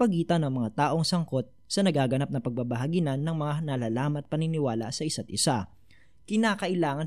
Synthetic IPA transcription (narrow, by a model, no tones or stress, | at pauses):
pɐɡiːt̪ɐnɐŋmɐŋat̪aːʔoŋsɐŋko̞t̪̚sɐnɐɡaːɡɐnap̚nɐpɐɡ̚babɐɦɐɡinɐnːɐŋmɐŋanɐlaːlaːmɐt̪̚pɐnɪnɪwaːla̰ʔsɐʔɪsat̪̚ʔɪsa | kɪnaːkɐʔɪlaːŋɐn